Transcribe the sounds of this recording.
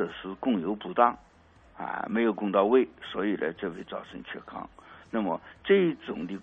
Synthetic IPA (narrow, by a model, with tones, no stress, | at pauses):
ə˨˩ʂɻ̩˥˧kʊ˥˩ŋjo˧˥ʊpu˨˧˥t̪ɑ˥˩ŋ | a̰˧˩me˧˥ɪjo˨˩ʊkʊ˥˧ŋt̪ɑ˥˧ʊwe˥˩ɪswɔ˧˥i˨˩lə̰˧ʈ͡ʂɤ˥˧we˥˧ɪt͡sɑ˥˩ʊʈ͡ʂʰɤ˧˥ŋt͡ɕʰɥɛ˥˩kʰɑ̰˥ŋna˥˩mə˨˩ʈ͡ʂɤ˥˧i˥˩ʈ͡ʂʊ˨˩ŋd̪i˧